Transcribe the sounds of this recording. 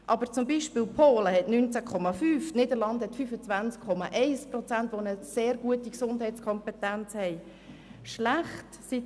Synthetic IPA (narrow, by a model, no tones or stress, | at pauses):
ʔɑbəɾt͡sʊmbiʃpiːlpʰoːləhɛtnynt͡sakʰɔmafyːftnɪdəlɑndhɛtfyfət͡svænt͡skʰːɔmɑ̰ʔɛɪsprɔt͡sæntʋonəseːɾɡuətiksʊndhɛɪt͡skʰɔmpɛtɛnt͡shɛɪ | ʃlæχtsi